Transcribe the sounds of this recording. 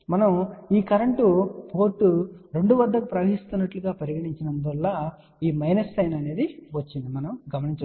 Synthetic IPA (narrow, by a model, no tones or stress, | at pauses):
mɐnɐmiːkɐɾɐɳʈupʰo̞ːɾʈːuɾe̞ɳɖuʋɐd̪ːɐkupɾɐʋɐɦist̪unːɐʈluɡaːpɐɾiɡɐɽiɲt͡ʃinɐnd̪ɐlːaː | iːmɐjnɐsʈɐjnɐne̞ːd̪iʋɐt͡ʃːind̪imɐnɐmɡɐmɐniɲt͡ʃ